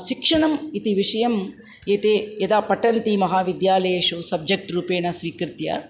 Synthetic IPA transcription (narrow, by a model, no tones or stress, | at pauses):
ʃikʂɐɳɐmit̪iʋiʂɐjɐm | eːt̪eːjɐd̪aːpɐʈɐnt̪imɐɦaːʋid̪jaːlɐjeːʃusɐb̚d͡ʒek̚ʈɾuːpeːɳɐsʋiːkɾɪt̪jɐ̰